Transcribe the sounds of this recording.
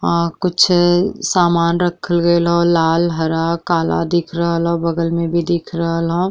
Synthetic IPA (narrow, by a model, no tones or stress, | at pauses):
kʊt͡ʃʰsaːmaːnɾɐkʰəlɡɐelɦolaːlɦɐɾakaːla̰d̪ɪkʰɾəɦəlɦõbɐɡəlmẽbʱid̪ɪkʰɾɐəɦəlɦõ